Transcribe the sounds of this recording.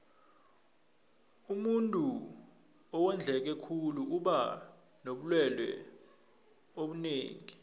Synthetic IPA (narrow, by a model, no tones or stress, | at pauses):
umuntʼu | ɔwɛnd͡ɮʱɛk̬ɛkʰuluuɓa | noɓulwɛlwɛ̰ | oɓuneːŋi